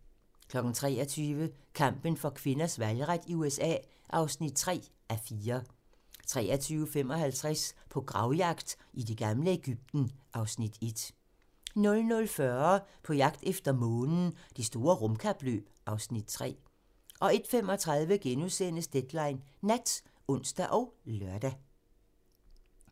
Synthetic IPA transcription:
kʰlɒ̽ɡ̥n̩t͡sʰʁɛ̰ːɐt͡sʰyːʋəkʰɑ̈m̰b̥ənfɒ̽kʰʋe̝nɐsʋælʁad̥iuesɛ̰ː | ʔɑ̈ʊsnid̥̚t͡sʰʁɛ̰ːʔæɐfiːɐ | t͡sʰʁɛ̰ːɐt͡sʰyːʊəfem̰ɒ̽hælt͡sʰʁɛspʰɒ̽ɡ̥ʁɑ̈ʊjɑ̈ɡ̥d̥ʔid̥e̝ɡ̥ɑmləe̝ɡ̥yb̥̚d̥n̩ʔɑ̈ʊsnid̥e̝d̥ | nɔ̽lnɔ̽lfɶɐpʰɒ̽jɑ̈ɡ̥̚d̥efd̥ɐmɔ̽ːnn̩d̥esd̥o̝ːɐʁɔmkʰɑ̈b̥lø̰ːb̥ʔɑ̈ʊsnid̥t͡sʰʁɛ̰ː | ʔɒ̽e̝d̥femɒ̽t͡sʰʁɑ̈ð̞ˠʋəɡ̥enuðˠsenəsd̥ed̥lɑ̈ɪnːæd̥ | ɔ̽n̰sd̥æʔɒʊlɶɐd̥æ

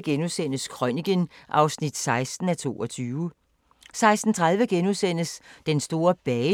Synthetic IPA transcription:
ɡ̥enusen̰əskʰʁɒniɡ̥ənʔɑ̈ʊsnid̥sɑ̈ɪsd̥n̩æt͡sʰo̝̰ːɒ̽t͡sʰyːʊ | sɑ̈ɪsd̥n̩t͡sʰʁað̞ˠʋəɡ̥enusen̰əsd̥ensd̥o̝ːɐb̥ɛː

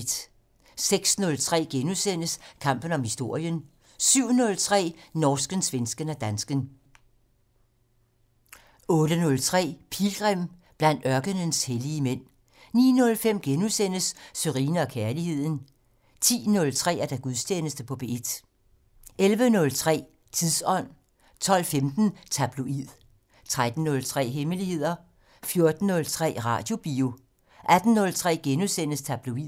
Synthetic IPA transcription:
d̥ | seɡ̥snɔ̽lt͡sʰʁɛ̰ːɡ̥enusen̰əskʰɑ̈m̰b̥ən̩ɒ̽mhisd̥o̝ɐ̰jən | syʊ̰nɔ̽lt͡sʰʁɛ̰ːnɒːsɡ̥ənsʋensɡ̥ənæd̥ænsɡ̥ən | ɔ̽ːɾ̥ənɔ̽lt͡sʰʁɛ̰ːpʰiːlɡ̥ʁɛm̰b̥læn̰d̥ɶɐɡ̥ənənsheliəmen̰ | nḭːnɔ̽lfem̰ɡ̥enusen̰əsːøʁḭːnəɒ̽kʰæɐlihe̝ð̞̰ˠn̩ | t͡sʰḭːnɔ̽lt͡sʰʁɛ̰ːæɐd̥æɡ̥uðˠsʰenəsd̥əpʰɒ̽b̥e̝ed̥ | elʋənɔ̽lt͡sʰʁɛ̰ː | t͡sʰiðˠsɒ̽n̰ | t͡sʰɒ̽l̰femd̥n̩t͡sʰæb̥loið̰ˠ | t͡sʰʁad̥n̩ːɔ̽lt͡sʰʁɛ̰ːɦeməlihe̝ð̞̰ˠɐ | fjo̝ɐd̥n̩ːɔ̽lt͡sʰʁɛ̰ːʁɑ̰̈ːd̥jo̝b̥iːo | ʔæd̥n̩ːɔ̽lt͡sʰʁɛ̰ːɡ̥enusen̰əst͡sʰæb̥luið̰ˠ

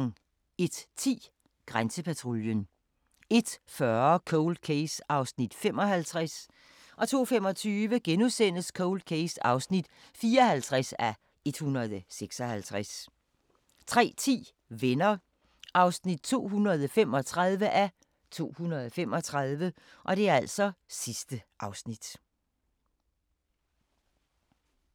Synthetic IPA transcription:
e̝d̥t͡sʰḭː | ɡ̥ʁansəpʰæt͡sʰʁo̝ljən | e̝d̥fɶɐkʰɔʊld̥̚kʰeɪsɑ̈ʊsnid̥femɒ̽ɦælt͡sʰʁas | ʔɒ̽t͡sʰo̝̰ːfemɒ̽t͡sʰyːʋəɡ̥enusen̰əskʰɔʊld̥̚kʰesɑ̈ʊsnid̥ | fiːɐɒhælt͡sʰʁasæ | e̝d̥hunɐðˠseɡ̥sɒ̽hælt͡sʰʁas | t͡sʰʁɛ̰ːt͡sʰḭː | ʋenɐ | ʔɑ̈ʊsnid̥̚t͡sʰo̝̰ːɦunɐð̞ˠɒfemɒ̽t͡sʰʁað̞ˠʋəʔæ | t͡sʰo̝̰ːhunɐðˠɒfemɒ̽t͡sʰʁɑð̞ˠʋə | ʔɒ̽d̥e̝æɐæl̰sɒ̽sisd̥əʔɑ̈ʊsnid̥

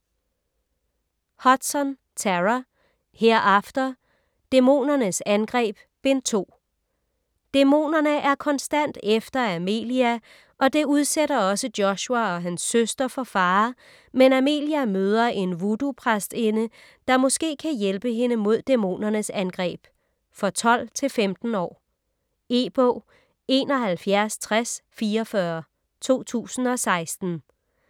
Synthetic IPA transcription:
hɒ̽d̥sɒn | t͡sʰæʁæ | heɐ̰æfd̥ɐ | d̥emo̝̰ːnɐnəsænɡ̥ʁɛ̰ːb̥̚ | ʋe̝nt͡sʰo̝̰ː | d̥emo̝̰ːnɐnəʔæɐkʰɒ̽nsd̥æn̰d̥efd̥ɐæme̝̰ːliæ | ʔɒ̽d̥e̝uð̞ˠseɾɐɒ̽səd̥jɒ̽ɕuæɒ̽ɦænsːøsd̥ɐfɒ̽fɑ̈ː | menæme̝̰ːliæmøːð̞ˠɐʔe̝nʋudupʰʁasd̥e̝nə | d̥ɑ̈mɔ̽sɡ̥e̝̰ːkʰæjelb̥əɦe̝nəmo̝ð̞̰ˠd̥emo̝̰ːnɐnəsænɡ̥ʁɛ̰ːb̥ | fɒ̽t͡sʰɒ̽l̰t͡sʰe̝lfemd̥n̩ɒ̰ː | e̝ːb̥ɔ̰ː | e̝ːnɒ̽ɦælfjæɐst͡sʰʁasfiːɒfɶɐ | t͡sʰo̝̰ːt͡sʰṵːsn̩ɒ̽sɑ̈ɪsd̥n̩

